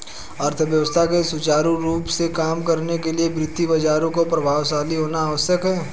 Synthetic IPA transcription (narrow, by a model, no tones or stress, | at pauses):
ɐɾt̪ʰəʋjəʋəst̪ʰakesʊt͡ʃaːɾuɾuːpsekaːmkɐɾnek̬eliebɾɪt̪ːibɐd͡ʒaːɾõkopɾɐbʱaːʋʃaːliɦoːnaaːʋəsjəkɦɛː